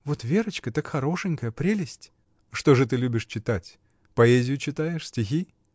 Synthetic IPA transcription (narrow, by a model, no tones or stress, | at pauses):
vot̪vʲeɾət͡ɕkət̪akxɐɾo̞ʂɨnʲkəjəpɾʲelʲɪsʲtʲ | ʂt̪o̞ʐɨt̪̬ɨlʲubʲɪʂt͡ɕɪt̪atʲ | pɐezʲɪjʊt͡ɕɪt̪ajɪʂsʲtʲɪxʲi